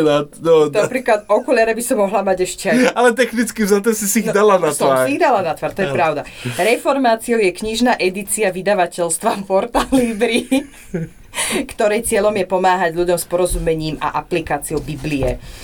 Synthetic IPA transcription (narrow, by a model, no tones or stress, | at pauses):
nanɔapɾiːklad̪ɔkɔʎɪaɾɛbisɔmɔɦlamaɟɛʃcɛaalɛt̪̬ɛxnit͡skivzat̪ɛsisiiɣd̪alanast̪ɔʋasɾiiɣd̪alanat̪ʋaɾt̪ɔjɛpɾaʊd̪aɾɛfɔɾmaːt͡siɔʊjɛkɲiʒnaːʔɛd̪it͡siaʋid̪aʋacɛlst̪ʋafpɔɾt̪aliːbɾi | kt̪ɔɾɛjt͡sɪɛʎɔmjɛpɔmaːɦaɟʎuɟɔmspɔɾɔzumɛɲiːma̰ʔaplikaːt͡siɔʊbibliɛ̰